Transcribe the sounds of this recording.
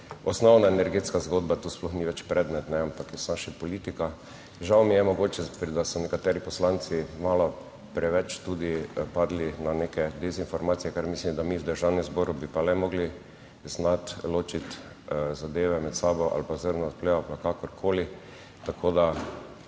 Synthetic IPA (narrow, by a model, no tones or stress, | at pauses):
ɔsnɔwnaenɛɾɡeːt̪skazɡoːd̪̚bat̪uːsplɔxniʋɛt͡ʃpɾɛd̪nɛt̪nɛampakjɛsnaʃɛpɔlit̪ika | ʒawmijɛmɔɡoːt͡ʃɛpd̪asɔnɛkat̪ɛːɾipɔslant̪simaːlɔ | pɾɛʋɛt͡ʃt̪ud̪ipad̪linanekɛd̪ɛzinfɔɾmaːt̪sijɛkaɾmislimd̪amiwd̪əɾʒawnɛmzbɔːɾubipalɛmɔɡli | znat̪loːt͡ʃit̪ | zad̪eːʋɛmɛt̪saːbɔʔa̰lpazəɾnɔt̪plɛalpakakɔɾkʰoːli | t̪akʰoːd̪a